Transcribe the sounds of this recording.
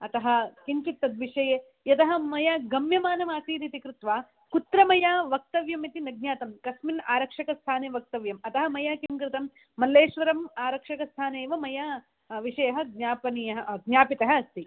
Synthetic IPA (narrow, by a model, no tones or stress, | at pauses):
ɐt̪ɐɦɐ̆kiɲt͡ʃit̪ːɐd̪ʋiʂɐjeː | jɐt̪ɐɦɐ̆mɐjaɡɐmjɐmaːnɐmaːsiːɾit̪ikɾɪt̪ʋaː | kut̪ɾɐmɐjaːʋɐk̚t̪ɐʋjɐmit̪inɐɡ̚njaːt̪ɐmkɐsminaːɾɐkʂɐkɐst̪ʰaːneːʋɐk̚t̪ɐʋjɐmɐt̪ɐɦɐmɐjaːkimkɾɪt̪ɐmː | ɐlːeːʃʋɐɾɐmaːɾɐkʂɐkɐst̪ʰaːneːʋɐmɐjaː | ʋiʂɐjɐɦɐɡ̚ɲaːpɐnijɐɦɐɡnjaːpit̪ɐɦɐɐst̪i